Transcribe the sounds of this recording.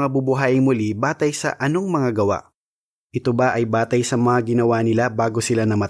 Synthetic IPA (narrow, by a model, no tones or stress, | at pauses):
ŋabubʊɦaːʔɪŋmʊlibaːt̪ɐjsɐ̰ʔɐno̞ŋmɐŋaɡɐwa̰ʔ | ʔɪt̪obaʔɐjbaːt̪ɐjsɐmɐŋaɡɪnɐwanɪlabaːɡo̞sɪlanɐmɐ